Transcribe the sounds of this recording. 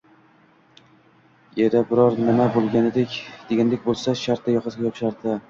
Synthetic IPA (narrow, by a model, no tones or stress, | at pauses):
jeɾabɪɾɒɾnɪmabolˠɡʲanɪd̪ekʲd̪̥e̞ɡʲand̪ekʲbolˠsaʃaɾt̪̚ʰːajɒqʰɨzɡʲajɒpʃaɾd̪ɪ